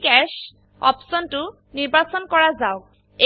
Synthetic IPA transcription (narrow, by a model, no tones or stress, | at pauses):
kɛʃ | ɔ̰psɔntʊ | niɹbasɔnkɔɹazaʊk | e